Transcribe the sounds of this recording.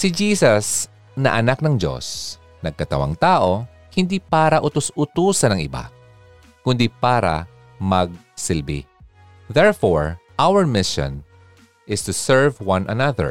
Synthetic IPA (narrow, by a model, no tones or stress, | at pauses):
sɪd͡ʒiːsɐs | nɐ̰ʔɐnak̚nɐŋd͡ʒo̞̰s | nɐɡ̚kɐt̪ɐwa̰ŋt̪aːʔo̞ | hɪnd̪ipaːɾɐʔʊt̪ʊsʊt̪uːsɐnɐŋʔɪba̰ | kʊnd̪ipaːɾɐ̰ | mɐɡ̚ | sɪlbḭ | ðɛɹfoɹʔawəɹmɪʃɔ̰̃n | ʔɪst̪ʊsɛɹvwɐ̃nʔɐ̰nɐðɛ̰ɹ